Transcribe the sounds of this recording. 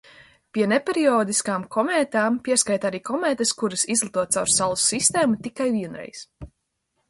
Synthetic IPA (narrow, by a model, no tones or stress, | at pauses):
piɛnepeɾiɔːd̪iskaːmkʰɔmeːt̪aːmpiɛskajt̪aɾiːkɔmɛːt̪eskuɾɐsizlˠit̪uɔt̪awɾssalusːist̪eːmut̪ikajviɛnɾɛ̰js